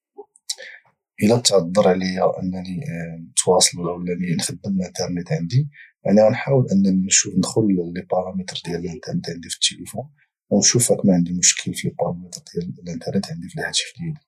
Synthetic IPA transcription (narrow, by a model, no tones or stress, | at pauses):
ʔəlæt̪ʕɑd̪ˤːəɾˤʕlijæʔə̰nːæninət̪wɑsˤlulʔəwlæminxəd̪ːəmlənt̪əɾˤnət̪ʕənd̪imaʕnæænħawəlʔənːænʃufnəd̪xʊllːibɑɾɑmit̪ɾˤd̪jæləlʔənt̪əɾnət̪ʕənd̪ifə̥t̪ʰːelifun | wnʃufækmæʕənd̪imʊʃkʰəlfibɑɾɑmit̪ɾd̪jællʔənt̪əɾnət̪ʕənd̪ifilħat̪ə̥fd̪jæl